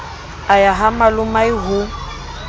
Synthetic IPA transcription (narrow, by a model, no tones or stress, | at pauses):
ajaɦamalʊmaiɦʊ